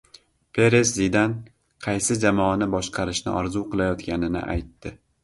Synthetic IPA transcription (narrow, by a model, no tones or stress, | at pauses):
pʰe̞ɾeszid̪an | qʰɑjsɪd͡ʒamɒanɪbɒʃqʰɑɾɪʃnɪ̰ʔɒɾzuqɨlˠajɒt̪kʲʰanɪnɪ̰ʔa̰jt̪ːɪ